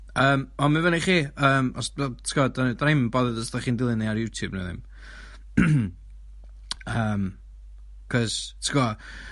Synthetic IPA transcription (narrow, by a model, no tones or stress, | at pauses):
əːmɔmɨvəniχiːəːmɔsbɛtʰɡɔdandejmbɔðəðəsdaχiːndɪlˠɨniaɾjuːtʰjubnṵðɪ̰m | əːm | kʰɔz̥tʰɡɔ